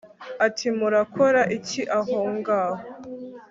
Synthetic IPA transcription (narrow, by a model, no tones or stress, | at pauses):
atʰimuɾakʰoɾaʔiciʔaɦoŋɡaːɦo